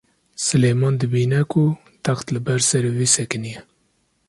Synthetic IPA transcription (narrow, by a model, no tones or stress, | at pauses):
sɨleːmɑːnd̪ɨbiːnɛkʰu | t̪axt̪lɨbɛɾsɛɾviːsɛkɨnijɛ